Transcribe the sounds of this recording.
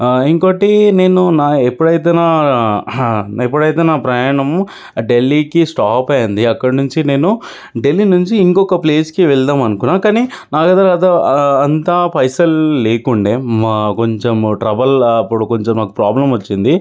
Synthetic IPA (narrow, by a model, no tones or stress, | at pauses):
eŋkoʈine̞ːnunaːepːuɽɐjt̪eːnaː | epːuɽɐjt̪eːnaːpɾɐjaːɳɐm | ɖe̞lːikisʈaːpɐjɐnd̪iɐkːɐɽɐnuɲt͡ʃine̞ːnu | ɖe̞lːinuɲt͡ʃiːŋkɔkɐple̞ːskiʋɛɭd̪aːmɐnukunːaːkaːniːnaːkɐd̪aɐd̪ɐɐnt̪apɐjsɐlleːkuɳɖeːko̞ɲt͡ʃemʈɾɐbɐlɐpːuɽuko̞ɲt͡ʃemːaːku̥pɾaːblɐmʋɐt͡ʃːind̪i